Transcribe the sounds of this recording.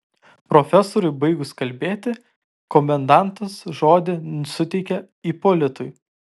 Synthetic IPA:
pɾoːfʲɛsoɾʊɪbɐɪɡʊskɐlʲbʲeːt̪ʲɪ | kɔmʲɛnd̪ɑˑnt̪ɐsʒoːd̪ʲɪnʊsʲʊt̪ʲɛɪkʲɛ | iːpoːlʲɪt̪ʊɪ

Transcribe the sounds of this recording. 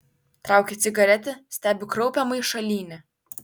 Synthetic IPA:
t̪ɾɑˑʊkʲɪt̪sʲɪɡɐɾʲɛt̪ʲɪsʲt̪ʲæːbʲɪkɾɔʊpʲɛmɐɪʃɐlʲiːnʲɪ

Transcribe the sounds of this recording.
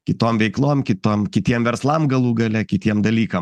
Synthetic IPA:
kʲɪt̪oːmʋʲɛɪklˠoːmkʲɪt̪oːmkʲɪt̪ʲiɛmʋʲɛɾslˠɐmɡɐlˠuːɡɐlʲɛkʲɪt̪ʲiɛmd̪ɐlʲiːkɐm

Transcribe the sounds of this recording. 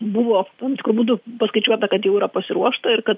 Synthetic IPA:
bʊʋoːt̪ɐmt̪ʲɪkɾuːbuːdʊpɐskɐɪt͡ʃʲuɔt̪ɐkɐt̪jɛʊiːɾɐpɐsʲɪɾuɔʃt̪ɐɪɾkɐt̪

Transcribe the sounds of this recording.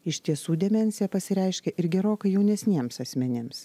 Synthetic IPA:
ɪʃʲt̪ʲiɛsuːd̪ʲɛmʲɛnʲsʲɪjɛpɐsʲɪɾʲɛɪʃʲkʲɛʔɪɾɡʲɛɾoːkɐɪjɛʊnʲɛsʲnʲiɛmsɐsʲmʲɛnʲɪms

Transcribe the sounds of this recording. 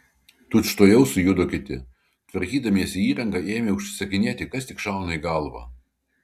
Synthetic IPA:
t̪ʊt͡ʃt̪oːjɛʊsʊjʊd̪okʲɪt̪ʲɪ̰ | t̪ʋɐɾʲkʲiːd̪ɐmʲiɛsʲɪiːɾɐŋɡɑʔeːmʲeʊʃʲsʲɪ̥sɐkʲɪnʲeːt̪ʲɪkɐst̪ʲɪkʃɑˑʊnɐiɡɐlˠʋɑ̰ː

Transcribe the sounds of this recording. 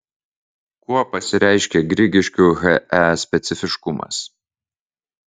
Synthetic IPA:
kuɔpɐsʲɪɾʲɛˑɪʃʲkʲɛɡɾʲɪɡʲɪʃʲkʲuːɣɛʔɛsʲpʲɛt̪sʲɪfʲɪʃkʊmɐ̰s

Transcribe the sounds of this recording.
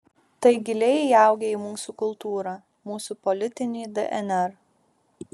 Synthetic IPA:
t̪ɐɪɡʲɪlʲɛjɑˑʊɡʲɛiːmuːsukʊlˠt̪uːɾɑː | muːsupɔlʲɪt̪ʲɪnʲɪːd̪ɛʔɛnʲɛɾ

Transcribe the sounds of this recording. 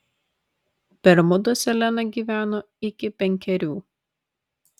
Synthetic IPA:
pʲɛɾmʊd̪osʲɛlʲɛnɐɡʲiːʋʲæːnoː | ɪkʲɪpʲɛŋʲkʲɛɾʲuː

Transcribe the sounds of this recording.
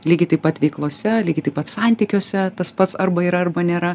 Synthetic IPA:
lʲiːɡʲɪt̪ɐɪpɐt̪ʋʲɛɪklˠoːsʲɛlʲiːɡʲɪt̪ɐɪpɐt̪sɑnʲt̪ʲiːkʲoːsʲɛt̪ɐspɐt̪sɐrbɐiːɾɐɐrbɐnʲeːɾɐ

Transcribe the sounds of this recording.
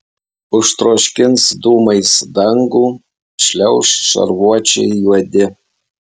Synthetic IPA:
ʊʃt̪ɾoːʃʲkʲɪnsd̪uːmɐɪsd̪ɐŋɡuː | ʃʲlʲɛʊʃʲʃɐ̰ɾʋuɔt͡ʃʲɛ̰ɪjuɔd̪ʲɪ

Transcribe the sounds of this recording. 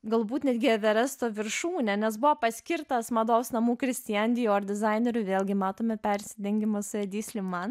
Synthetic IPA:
ɡɐlˠbuːt̪nʲɛd̪ʲɡʲɪɐʋʲɛɾɛst̪oːʋʲɪɾʃuːnʲɛnʲɛs̬bʊʋoːpɐsʲkʲɪɾt̪ɐsmɐd̪oːʊsnɐmuːkɾʲɪsʲt̪ʲɪjɛnʲd̪ʲɪːjoːɾd̪ʲɪzɐɪnʲɛɾʲʊʋʲeːlˠʲɡʲɪmɑːt̪oːmʲɛpʲɛɾʲsʲɪd̪ʲɛŋʲɡʲɪmosʊɛd̪ʲiːsʲlʲɪmmɑn

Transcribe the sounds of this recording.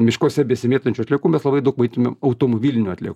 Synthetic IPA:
mʲɪʃkoːsʲɛbʲɛsʲɪmʲeːt̪ɐnʲt͡ʃʲuɐt̪ʲlʲeːkuːmʲɛslˠɐbɐɪd̪ɐʊkmɐɪt̪ʊmʲemɐʊt̪oːmobʲiːlʲɪnʲuɐtʲlʲḛːku

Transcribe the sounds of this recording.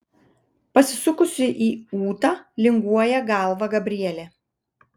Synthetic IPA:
pɐsʲɪsʊkʊsʲɪʔiːuːt̪ɑːlʲɪŋɡuɔjɛɡɑˑlˠʋɐɡɐbʲɾʲɪiɛlʲeː

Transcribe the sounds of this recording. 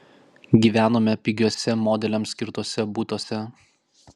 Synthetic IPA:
ɡʲiːʋʲæːnoːmʲɛpʲɪɡʲuɔsʲɛmɔːd̪ʲɛlʲɛmsʲkʲɪɾt̪uɔsʲɛbuːt̪oːsʲɛ

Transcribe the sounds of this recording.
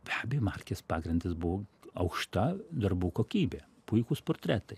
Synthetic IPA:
bʲæːbʲejomɐrʲkʲespɑːɡɾʲɪnd̪ʲɪsbʊʋoɐʊkʃt̪ɐd̪ɐrbuːkoːkʲiːbʲeː | pʊɪkuːsporʲt̪ʲɾʲæːt̪ɐɪ

